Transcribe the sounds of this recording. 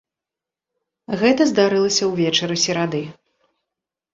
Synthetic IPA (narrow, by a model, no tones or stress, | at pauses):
ɣɛt̪ɐzd̪aɾɨlˠɐsʲɐwvʲɛt͡ʂɐɾɨsʲiɾad̪ɨ